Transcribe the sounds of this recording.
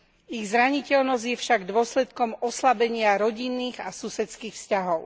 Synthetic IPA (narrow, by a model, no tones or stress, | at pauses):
iɣzɾaɲicɛʎnɔzɟjɛfʃaɡd̪ʊɔslɛt̪kɔmɔslabɛɲɪaɾɔɟinːiːɣasusɛt͡skiːxfscaɦɔʊ